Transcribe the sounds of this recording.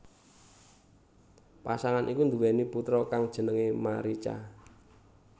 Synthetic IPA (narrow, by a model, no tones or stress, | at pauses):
pasaŋanʔikund̪uwɛniput̪ɾɔkaŋd̥ʒ̥ə̤nəŋemaɾit͡ʃa̰